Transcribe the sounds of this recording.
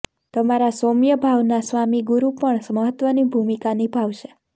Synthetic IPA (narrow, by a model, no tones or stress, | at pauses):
t̪əmaɾasomjəbʱaʋnasʋamiɡuɾupəɳsməɦət̪ʋənibʱumikanibʱaʋʃe